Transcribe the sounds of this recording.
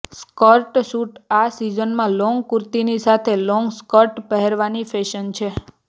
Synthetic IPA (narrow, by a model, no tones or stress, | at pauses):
skɔɾʈʃuʈasizənmãlɔŋɡkuɾt̪inisat̪ʰelɔŋɡskɔʈpəɦeɾʋanifeʃənt͡ʃʰe